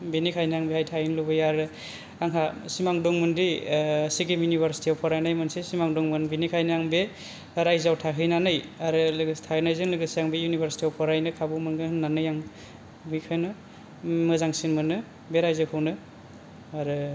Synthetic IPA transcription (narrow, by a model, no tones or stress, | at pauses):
binikʰajnɯjaŋbehajtʰajinlubɯjaɾɯ | aŋɦasimaŋdɔŋmɯndisiɡimjunibʱaɾsi̥tiawpʰɔɾajnajmɯnsesimaŋdɔŋmɯnbinikʰajnɯjaŋbe | ɾajzawtʰaɦʰɯjnanɯjaɾɯlɯɡtʰanajzɯŋlɯɡɯsijaŋbejunibʱaɾsi̥tiawpʰɔɾajnɯkʰabumɯnɡɯhɯnːanɯjaŋ | bikʰɯjnɯ | mɯzaŋsinmɯnɯ | beɾajzɯkʰɯwnɯ | aɾɯ